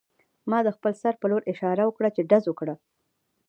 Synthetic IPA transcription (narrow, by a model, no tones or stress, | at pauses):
mɑd̪əxpəlsaɾpəloɾʔɪʃɑɾawəkɽat͡ʃeɖazwəkɽa